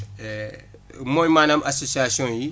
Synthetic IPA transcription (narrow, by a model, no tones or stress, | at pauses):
ɛ | mõimanamʔasosiasiɔ̃ji